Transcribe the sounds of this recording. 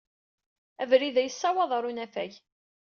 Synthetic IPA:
ævɾiðæjəsːɑwɑðˤɑɾˤunæfæʝ

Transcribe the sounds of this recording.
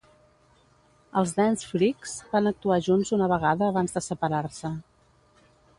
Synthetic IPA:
əlˠzðɛnsfɾikz̥banək̚t̪uaʒunzunəβəɣaðəːβanzðəsəpəɾaɾsə

